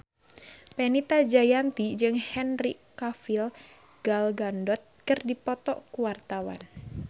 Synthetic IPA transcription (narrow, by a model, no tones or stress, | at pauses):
pɛnit̪ad͡ʒajant̪id͡ʒɨŋhɛnrikafil | ɡ̥alɡandɔt̪̚kɨrdipɔt̪ɔʔkuwart̪awa̰n